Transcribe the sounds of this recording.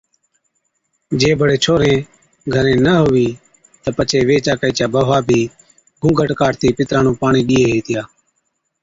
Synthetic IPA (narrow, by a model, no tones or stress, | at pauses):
d͡ʒẽːbʱəɽeːt͡ʃʰoːɾẽː | ɡʱəɾẽːnəɦoːʋiː | t̪əpət͡ʃʰeːʋeːt͡ʃaːkəiːt͡ʃaːbəʋaːbʱiː | ɡʱũːɡʱəʈkaːɾt̪iːpɪt̪ɾãːnũːpaːɳiːɗiːeːɦeːt̪ɪjaː